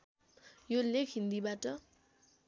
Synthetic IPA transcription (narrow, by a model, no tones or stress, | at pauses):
jolekʰɦind̪ibaʈʌ